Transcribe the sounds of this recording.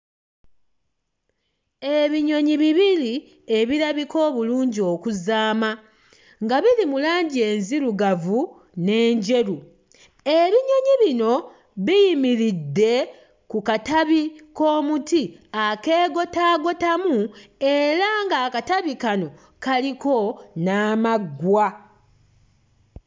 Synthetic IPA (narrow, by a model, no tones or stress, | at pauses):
e̞βiɲo̞ɲiβiβili | eβiɾaβiko̞ːβuluːɲɟio̞ːkuzaːma | ŋɡaβilimulaːɲɟie̞ːnziɾuɡavu | ne̞ːɲɟe̞ɾu | e̞βiɲo̞ɲiβino̞ | βijimiɾidːe̞ | kukataβiko̞ːmutiake̞ːɡo̞taːɡo̞tamue̞ɾaŋɡaːkataβikano̞ | kaliko̞naːmaɡwa